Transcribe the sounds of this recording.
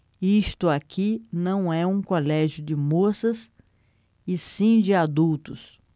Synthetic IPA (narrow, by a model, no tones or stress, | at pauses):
iʃt̪ʊakinɐ̃w̃ɛũkolɛʒjʊd͡ʒɪmosɐs | ɪsĩd͡ʒɪad̪uwt̪ʊs